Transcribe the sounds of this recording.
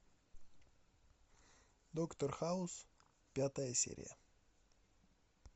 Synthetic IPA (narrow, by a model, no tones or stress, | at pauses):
d̪okt̪orxaʊs | pʲat̪əjəsʲḛɾʲɪ̰jə̰